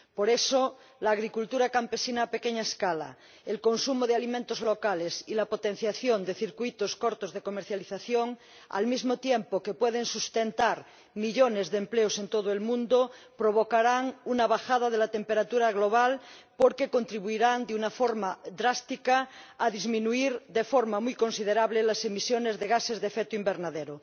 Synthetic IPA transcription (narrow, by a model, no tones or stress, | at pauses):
poɾeso | laːɣ̞ɾikult̪uɾakampe̞sinaːpekeɲaeskala̰ | elko̞nsumoð̞ealimẽnt̪ozlo̞kalesilapot̪ẽn̟θjaθjond̪e̞θiɾkwuit̪oskoɾt̪ozðekomeɾθjaliθaθjoŋ | a̰lmizmot̪jempokepweð̞ensust̪ent̪aɾ | miʎonezðempleosent̪oð̞oelmũnd̪o | pɾoβokaɾaŋunaβaxað̞að̞elat̪empeɾat̪uɾaɣloβ̞alpoɾkeko̞nt̪ɾiβuiɾand̪eunafoɾmad̪ɾast̪ikaːðizmĩnuiɾd̪efoɾmamujkonsið̞eɾaβlelasemisjonezðeɣ̞asezðefek̚t̪oimbeɾnaðeɾo